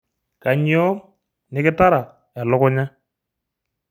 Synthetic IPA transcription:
ka˨ɲɪ˦ɔ˦ | nɪ˦kɪ˦ta˦ɾa˨ | ɛ˨lʊ˦kʊ˦ɲa˦

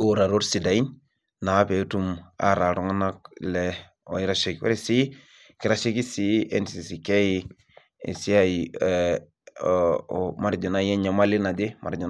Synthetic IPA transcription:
oɾa˨ɾo˦ɾsi˨da˨i˦n | na˨˦pe˨˦tu˦ma̰˦ɾa˨ɾu˦ŋa˦na˦k̚le | o˨i˦ɾa˦ʃi˨kwḛ˦ɾisi˦ | ki˨ɾa˨ʃi˦ki˦si˦e˦nsi˨si˨ke˦i˦ | ḭ˨si˦a˦˨i | ma˨ɾd͡ʒo˨na˦je˦ɲa˨ma˦li˦na˨di˦ma̰˨ɾd͡ʒo˨n

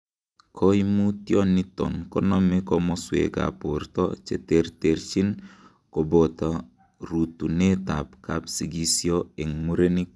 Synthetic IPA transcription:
kʰo˦i˦mu˦tjɔ˦ni˦tɔ̰˨nkɔ˦nɔ˦me˦kɔmɔswḛ˨ɡa̰˨po˨rtɔ̰˦t͡ʃḛ˨terte˨ɾt͡ʃi˦n | ko˨bo˨ta˨ | ɾu˨tu˨ne˦ta˨pkapsi˨ɡi˦sjo˦e˨ŋmu˦ɾe˦ni˦k

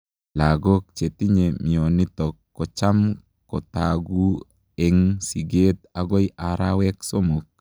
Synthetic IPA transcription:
la˨ɡo˦k̚t͡ʃe˨ti˦ɲe˨mi˨ɔ˨ni˦t̪ɔkːɔ˨t͡ʃa˦m | kɔ˨taɡu˦ | e˨ŋsi˨ɡe˦t̪a˨ɡɔ˦ɪ˦ʔa˨ɾa˦wɛ˦kso˦mo˨k̚

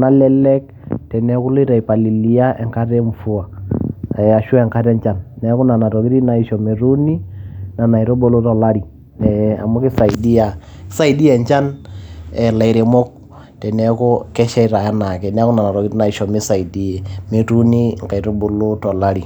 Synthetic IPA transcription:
na˦lɛ˦lɛ˦k̚ | tɛ˨nɛ˦kʊ˦lo˦ɾa˨i˨pa˨li˨li˨˦ja˦ɛ˨ŋka˦tɛ˦ɱfʊ˦a˨ | a˨ʃʊ˦ɛ˨ŋka˦tɛ˦ɲt͡ʃa˦˨nːɛ˦kʊ˦na˨na˨ɾɔ˨ki˦ɾi˦na˨i˨ʃɔ˨me˨ɾu˦ni˦na˨na˨i˨ɾo˦bo˦lo˦tɔ˨la˦ɾi˨ | nɛ˨a̰˨mʊ˦ki˦sa˨i˨di˦a˨ | ksa˦i˨di˦ɛ˦˨ɲt͡ʃa˦n | ɛ˨la˨i˨ɾe˨mɔ˦k̚ | tɛ˨nɛ˦kɔ˦kɛ˦ʃɛ˦i˦ɾa˨ja˦na˨kɛ˨nɛ˦kʊ˦na˨na˨ɾɔ˨ki˦ɾi˦na˨i˨ʃɔ˨mɪ˦sa˨i˨di˨ɛ˨me˨tu˦ni˦ŋka˨i˨ɾo˦bo˨lo˦tɔ˨la˦ɾi˨

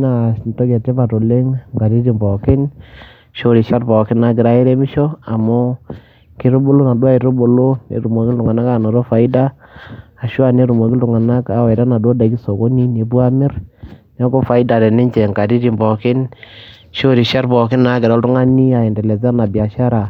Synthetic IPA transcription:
na˨nto˦kɛ˨te˦pa˨to˨le˦ŋŋɡa˨ɾi˦ɾi˨mbɔ˨kɪ˦n | ʃo˦ɾi˨ʃa˦ɾbɔ˨kɪ˦na˦ɡɪ˨ɾa˨˦e˦ɾe˦mɪ˦ʃɔ˦a˨mo˦ | kɪ˦ɾo˦bo˦lo˦na˨dwa˦i˨ɾo˦bo˨lo˦nḛ˨˦ɾu˨mo˨kɪ˦ltʊ˨ŋa˨na˦ka˦˨no˨ɾo˦fa˨i˦daː˦˨ | ʃwa˦˨ne˦ɾu˨mo˨kltʊ˨ŋa˨na˦ka˨wɛ˨ɾa˦na˨do˦da˨˦ki˦so˨ko˦ni˦ne˨bwa˦mɪ˦ɾn˦a˦ko˦fa˨i˦da˨ɾɛ˨nɪ˦ɲt͡ʃɛ˨ŋɡa˨ɾi˦ɾi˨mbɔ˨kɪ˦n | ʃo˦ɾi˨ʃa˦ɾbɔ˨kɪ˦na˨˦ɡɪ˨ɾa˦ltʊ˦ŋa˦ni˦a˨ɪ˨ndɛ˨lɛ˨za˦na˨bja˨ʃa˦ɾa˨

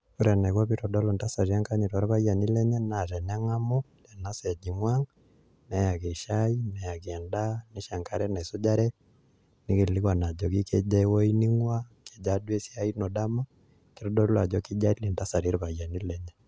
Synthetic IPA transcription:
ku˦ɾɛ˨na˨kwa˦pi˦tɔ˨dɔ˦lo˨nta˦sa˨ɾi˦a˦ŋka˦ɲi˨tɔ˨ɾβa˦ja˨ni˦lɛ˦ɲɛ˦na˨tɛ˨nɛ˦ŋa˦mo˦ | lɛ˨na˦sɛ˨d͡ʒi˨ŋwa˦ŋ | nɛ˨˦ja˨ke˨ʃa˦i˦nɛ˨ja˨kɛ˨nda˦ni˦ʃa˨ŋka˦ɾɛ˦na˨sʊ˦d͡ʒa˦ɾɛ˦ | ni˦ki˨li˦kwa˨na˨d͡ʒɔ˨ki˦ke˦d͡ʒa˦wo˦i˦ni˦ŋwa˦ke˨d͡ʒa˦dwe˦sja˦i˦nɔ˨da˦ma˦ | ki˦ɾɔ˦dɔ˦la˨d͡ʒɔ˦ki˦d͡ʒa˦i˦le˨nta˦sa˨ɾi˦ɾβa˨ja˨ni˦lɛ˨ɲɛ˦

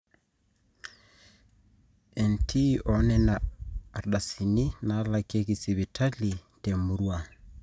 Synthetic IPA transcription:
ɛ˨ntʰi˦ʔɔnɛ˦naː˨ | ɗa˨si˨ni˦na˨˦lake˦ɣi˨si˨βi˨tʰa˦li˨tɛmu˨ɾwa˨

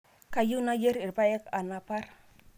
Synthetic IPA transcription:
ka˨ju˦na˦je˦ɾi˨ɾpa˦ɛ˦ka˨na˨pa˦r

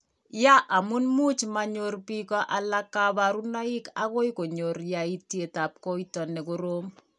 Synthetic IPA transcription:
ja˦ʔa˨mu˦nmu˦t͡ʃma˨ɲorpi˦kɔ˦ʔa˨la˦kːa˦ba˨ɾu˦nɔ˦ɪ˦ka˦ko˦jko˨ɲo˨rja˨i˦tje˨ta˨p̚ko˦itɔ˨nɛ˨ko˦ɾo˦m

